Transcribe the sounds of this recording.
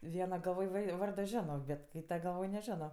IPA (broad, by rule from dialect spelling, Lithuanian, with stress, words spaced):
ˈʋʲiɛnɐ ɡɐlˠˈʋoːj ˈʋɐɪ ˈʋɐrdoː ˈʒʲæːnoː bʲɛt ˈkʲiːtɐ ɡɐlˠˈʋoːj nʲɛˈʒʲæːnoː